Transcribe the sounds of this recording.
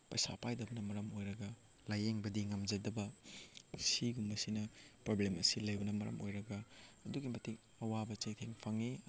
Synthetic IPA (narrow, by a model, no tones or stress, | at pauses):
pɐjsa̰pajdɐbɐnɐmɐɾɐmojɾɐɡɐ | lajeŋbɐdiŋɐmd͡ʒɐdɐbɐ | siɡumbɐsinɐpɾoblemɐsilɐjbɐnɐmɐɾɐ̰mʔojɾɐɡɐːduɡimɐtik | ɐwabɐt͡ʃɐjtʰeŋpʰɐŋi